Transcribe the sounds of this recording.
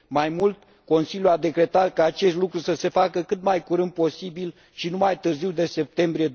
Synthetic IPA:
majmult̪ | ko̞nsiljuad̪e̞kɾe̞t̪at̪̚kaːt͡ʃe̞st̪lukɾusəse̞fakəkɨt̪majkuɾɨnd̪̚po̞sibil | ʃinumajt̪ɨrziwd̪e̞se̞p̚t̪e̞mbɾije̞

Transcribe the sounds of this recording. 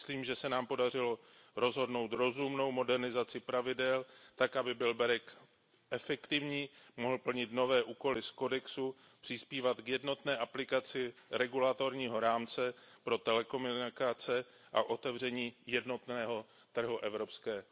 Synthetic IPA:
sliːmʒɛsɛnaːmpo̞dar̝ɪlo̞ | ɾo̞zɦo̞dno̞wt̪ɾo̞zumno̞wmo̞dɛɾnɪzat͡sɪpɾavɪdɛlt̪akʔabɪbɪlbɛɾɛk | ʔɛfɛkt̪ɪvɲiːmoɦl̩pl̩ɲɪt̪no̞vɛːʔuːko̞lɪsko̞dɛksu | pr̥ɪspiːvat̪kjɛdno̞t̪nɛːʔaplɪkat͡sɪɾɛɡulat̪o̞ɾɲiːɦo̞ɾaːmt͡sɛpɾo̞t̪ɛlɛko̞munɪkat͡sɛ | ʔa̰ʔo̞t̪ɛvr̝ɛɲiːjɛdno̞t̪nɛːɦo̞ | t̪r̩ɦuʔɛvɾo̞pskɛː

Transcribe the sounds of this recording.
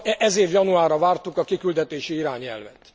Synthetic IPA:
ʔɛzeːvjɒnuaːɾɒvaːrt̪ukɒkikyld̪ɛt̪eːʃiiɾaːɲɛ̰lvɛt̪

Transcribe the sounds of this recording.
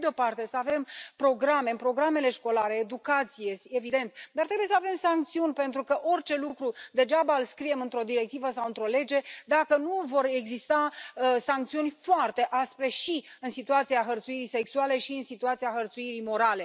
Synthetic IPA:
d̪eo̞part̪e̞səave̞mpɾo̞ɡɾame̞pɾo̞ɡɾame̞le̞ʃko̞laɾe̞ːd̪ukat̪sijesevid̪e̞nt̪d̪art̪ɾebuje̞səave̞msaŋk̚t̪siunʲpe̞nt̪ɾukəʔo̞rʲt͡ʃe̞lukɾud̪e̞ʒabəɨlskɾije̞mɨnt̪ɾo̞d̪iɾe̞k̚t̪ivəsawɨnt̪ɾo̞le̞d͡ʒe̞d̪akənuvo̞ɾe̞ɡzist̪asaŋk̚t̪siunʲfoart̪e̞ʔaspɾe̞ʃi | ɨnsit̪uat̪siaxərt̪suiɾise̞ksuale̞ʃiɨnsit̪uat̪siaxərt̪suiɾimo̞ɾale̞

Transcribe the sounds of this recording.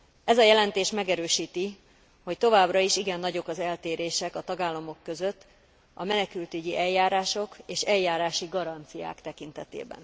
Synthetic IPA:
ɛzɒjɛlɛnt̪eːʃmɛɡɛɾøːʃiːt̪i | ho̞ct̪o̞vaːbrɒiʃiɡɛnːɒɟo̞kɒzɛlt̪eːɾeːʃɛkɒt̪ɒɡaːlːɒmo̞kːø̞zøt̪ː | ɒmɛnɛkylt̪yɟiʔɛjːaːɾaːʃo̞keːʃɛjːaːɾaːʃiɡɒɾɒnt̪sija̰ːkt̪ɛkint̪ɛt̪ḛːbɛ̰n

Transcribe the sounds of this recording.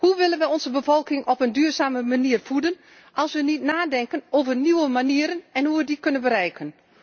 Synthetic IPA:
huʋɪlənʋəɔnzəbəvɔlˠkɪŋʔɔpəndyːrzaːməmaniərfudən | ʔɑlˠsʋənitnaːdɛŋkənoːvərniwəmaniəɾənɛnhuʋədikønənbəɾɛjkʰən

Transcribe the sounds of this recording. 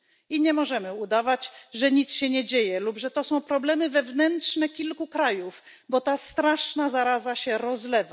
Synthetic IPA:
iɲɛmɔʐɛmɘud̪avat͡ɕʐɛɲit̪sɕɛɲɛd͡ʑejɛlupʐɛt̪ɔsɔ̃w̃pɾɔblɛmɘvɛvnɛntʂnɛkʲilkukɾajuf | bɔt̪ast̪ɾaʂnazaɾazaɕɛɾɔzlɛva

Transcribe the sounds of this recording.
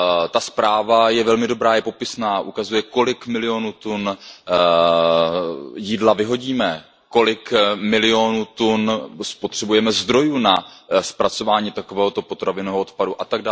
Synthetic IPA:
t̪aspɾaːvajɛvɛlmɪdo̞bɾaːjɛpo̞pɪsnaːʔukazujɛko̞lɪkmɪlɪo̞nuːt̪un | jiːdlavɪɦo̞ɟiːmɛ | ko̞lɪkmɪlɪo̞nuːt̪unspot̪r̥ɛbujɛmɛzd̪ɾo̞junaspɾat͡so̞vaːɲiːt̪akovɛːɦo̞t̪o̞po̞t̪ɾavɪnoɦoot̪paduʔat̪aɡ̚daː

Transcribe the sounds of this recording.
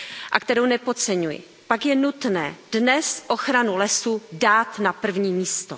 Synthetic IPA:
ʔak̚t̪ɛɾownɛpo̞t͡sɛɲujɪ̰ | pakjɛnut̪nɛːd̥nɛsʔo̞xɾanulɛsudaːt̪napr̩vɲiːmiːst̪o

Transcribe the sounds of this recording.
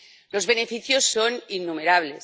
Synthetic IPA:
lo̞zβe̞nefiθjosːoninːumeɾaβ̞le̞s

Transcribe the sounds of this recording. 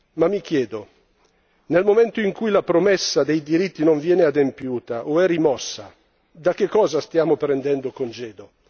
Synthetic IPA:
mamːikjɛːd̪o | nelmomɛnt̪oiŋkujlapɾomɛsːad̪ejd̪iɾit̪ːinoɱvjɛːnead̪empjuːt̪aʔoɛrːimɔsːa̰ | d̪ak̟ːekːɔːzast̪jaːmopɾɛnd̪ɛnd̪okond͡ʒeːd̪o

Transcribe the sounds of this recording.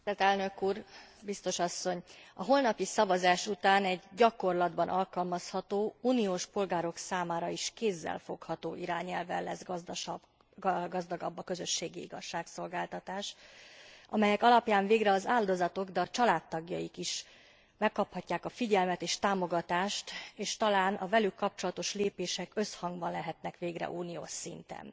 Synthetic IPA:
it̪ɛt̪ɛlnø̞kuːrbist̪o̞ʃɒsːo̞ɲɒɦo̞lnɒpisɒvɒzaːʃut̪aːnɛɟːɒko̞rlɒd̪bɒnʔɒlkɒlmɒshɒt̪oːuːnijoːʃpo̞lɡaːɾo̞ksaːmaːɾɒiʃkeːzːɛ̰lfo̞khɒt̪oːʔiɾaːɲɛlvɛ̰lːɛ̰zb | ɡɒzd̪ɒɡɒ̰bːɒkøzø̞ʃːeːɡiḭɡɒʃːaːkso̞lɡaːlt̪ɒt̪aːʃ | ʔɒ̰mɛjɛkɒlɒpjaːɱveːɡɾɛɒzaːld̪o̞zɒt̪o̞ɡd̪ɛɒt͡ʃɒlaːt̪ːɒɡjɒikiʃ | mɛkːɒphɒcːaːkɒfiɟɛlmɛt̪eːʃt̪aːmo̞ɡɒt̪aːʃt̪eːʃt̪ɒlaːnʔɒ̰vɛlykːɒp̚t͡ʃo̞lɒt̪o̞ʃleːpeːʃɛkø̞shɒŋɡbɒnlɛɦɛt̪nɛkʋeːɡrɛ̰ʔuːnijo̰ːʃsḭnt̪ɛ̰n

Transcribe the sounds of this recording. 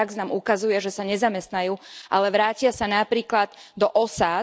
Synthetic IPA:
aɡznaːmʔukazujɛʒɛsaɲɛzamɛst̪najuːʔa̰lɛʋɾaːcɪasanapɾiːklad̪d̪ɔʔɔsaː

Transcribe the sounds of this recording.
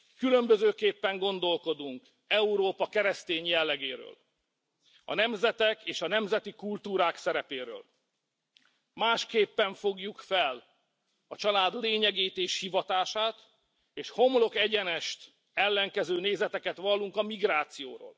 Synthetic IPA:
kylø̞mbøzøːkeːpːɛŋɡo̞nd̪o̞lko̞d̪uŋk | ɛuɾoːpɒkɛɾɛst̪eːɲjɛlːɛɡeːɾø̰ːl | ɒ̰nɛmzɛt̪ɛkeːʃɒnɛmzɛt̪ikult̪uːɾaːksɛɾɛpeːɾø̰ːl | maːʃkeːpːɛɱfo̞ɡjukfɛl | ɒt͡ʃɒlaːd̪leːɲɛɡeːt̪eːʃhivɒt̪aːʃaːt̪ | eːʃho̞mlo̞kɛɟɛnɛʃt̪ | ɛlːɛŋkɛzøːneːzɛt̪ɛkɛt̪ʋɒlːuŋkɒmiɡɾaːt̪sijo̰ːɾo̰ːl

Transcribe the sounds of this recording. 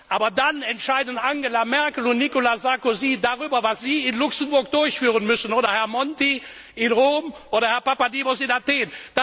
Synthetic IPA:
ʔaːbɐdanɛntʃaɪdən̩ʔaŋɡelamɛɐkəl̩ʊntnikolazaɐkoziːdaʁyːbɐvasz̥iːɪnlʊksənbʊɐkd̥ʊɐçfyːʁənmʏsənoːɾɐhɛɐmɔnti | ʔɪnʁoːmʔʔoːɾɐhɛɐpapadiːbosɪnateːnd̥a

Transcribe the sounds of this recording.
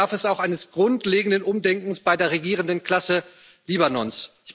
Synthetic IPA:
aɐfɛsaʊxaɪnəsɡ̥ʁʊntleːɡŋ̩dənʔʊmdɛŋkŋ̩sb̥aɪdeːɐʁeɡiːʁ̞əndənkl̥asə | liːbanɔnsɪç

